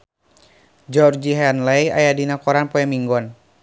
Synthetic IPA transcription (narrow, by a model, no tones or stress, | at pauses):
d͡ʒɔrd͡ʒiɦɛnlɛja̰jadinakɔɾanpɔɛmiŋɡɔn